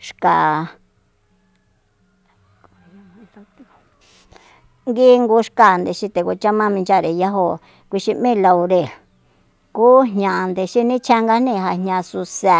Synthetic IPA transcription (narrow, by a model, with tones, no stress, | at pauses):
ʂka˨˧ | ŋɡi˦ŋɡu˧ʂka˧˨nd̪e˨ʃi˧t̪e˧ko˧t͡ʃa˦mã˦mĩ˧nd͡ʒa˦˨ɾe˨ja˦ɦo˧ | kʷi˧ʃi˧mĩ˦˨la˧u˧ɾe˧˨ | ku˦ɦɲã˨˧nd̪e˨ʃi˧nĩ˦t͡ʃʰa˧ŋɡa˧nĩ˧˨ɦa˧˨hɲã˧su˧se˧˨